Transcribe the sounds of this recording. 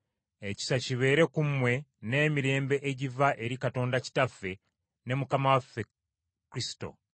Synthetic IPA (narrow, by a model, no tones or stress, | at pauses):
e̞ci̥saciβe̞ːɾe̞kumwe̞ne̞ːmiɾe̞ːmbe̞ʔeɟivaʔe̞ɾikato̞ːndaci̥tafːe̞ | ne̞mukamawafːe | kuɾisi̥to̞̰